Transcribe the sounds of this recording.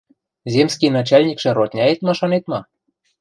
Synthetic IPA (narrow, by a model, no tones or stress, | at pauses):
zʲemskʲinɑt͡ɕɑlʲnʲikʃĕɾot̪ʲnʲɑet̪mɑʃɑnet̪mɑ